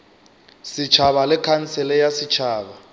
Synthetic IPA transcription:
sit͡ʃʰaβalɛkʰant͡sɛlɛjasit͡ʃʰaːɓa

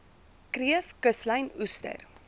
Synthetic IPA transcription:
kriəfkəsləjnustə̰r

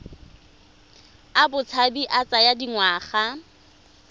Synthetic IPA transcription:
abʊt͡sʰabiʔat͡sʼajadiŋwaːχa

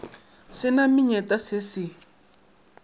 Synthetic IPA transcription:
sɪnamiɲɛtʼasɪsi

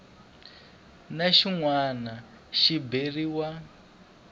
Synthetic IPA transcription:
naʃiŋwana | ʃiberiwa

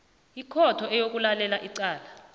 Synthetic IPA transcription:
ikʰɔtʰɔɛjok̬ʼulalɛlaʔiǀaːla

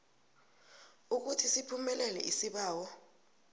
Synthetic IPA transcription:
uk̬utʰisipʰumɛlɛlɛ̰ʔisiɓaːwɔ

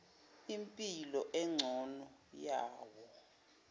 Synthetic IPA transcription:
impʼilɔʔɛŋ͡ǀʱɔnɔjaːwɔ

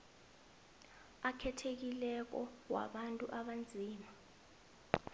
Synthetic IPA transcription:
akʰɛtʰek̬ilɛk̬ɔ̰wa̰ɓantʼṵʔaɓand͡zʱiːma

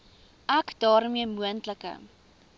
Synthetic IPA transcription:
ʔækdɑːɾmiəmuəntləkə̰

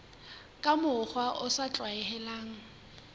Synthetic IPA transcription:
kʼamʊχwaʔʊsat͡ɬʼwaɛhɛlaːŋ̩

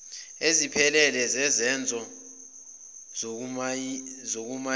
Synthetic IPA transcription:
ezipʰɛlɛlɛzɛzɛnd͡zʱɔ | zok̬uma

